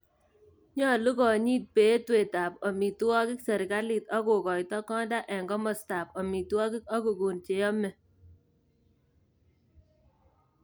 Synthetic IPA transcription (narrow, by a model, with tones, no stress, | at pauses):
ɲɔ˦˨lu˦kɔ˨ɲi˦t̚pe˨˦twe˨ta˨pɔ˨mi˨tu˦ɔ˦kɪ˦ksɛ˨ɾka˦lɪ˨tɔ˦ko˨kɔ˨jtɔ˦kɔ˦nda˦ʔɛ˨ŋɡɔ˦mɔ˨sta˨pɔ˨mi˨tɔ˦kɪ˦kɔ˦ɡo˨ɡu˨nt͡ʃe˨jɔ˦mɛ˨